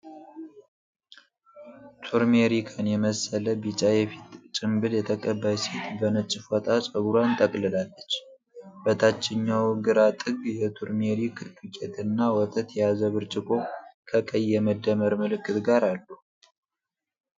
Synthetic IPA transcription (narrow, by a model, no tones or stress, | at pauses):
t̪ʰuɾmeɾikʰanjɛməsələbit͡ʃʼajɛfi̥t̪ʼt͡ʃʼɪmbɨljɛt̪ʰəkʼəbːəsit̪bənət͡ʃʼːɪfwɔt̪ʼasʼəɡuɾant̪ʼəkʼlɨlalːət͡ʃː | bət̪ʰat͡ʃːɪɲːawɡɨɾat̪ʼɨɡjɛt̪ʰuɾmeɾikʰɨkʼet̪ʰɨnːawɔt̪ʼət̪jazəβɨɾt͡ʃʼɪkʼo̞kʰəkʼəjːɛməd̪ːəməɾmɨlɨkːɨt̪ɡaɾalːu